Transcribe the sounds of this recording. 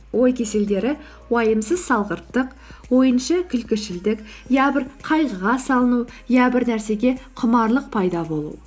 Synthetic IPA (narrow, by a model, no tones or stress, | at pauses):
wo̞jkʲʰe̞se̞ld̪e̞ɾɪ | wɑjəmsəzsɑlˠʁəɾt̪ːəq | wo̞jənʃɑkʲʰʏlkʲɪʃɪld̪ɪk | jɑbɪɾqʰɑjʁəʁɑsɑlˠənujɑbɪɾnæɾse̞ɡʲe̞qʰʊmɑɾlˠəq̚pʰɑjd̪ɑbo̞lˠṵ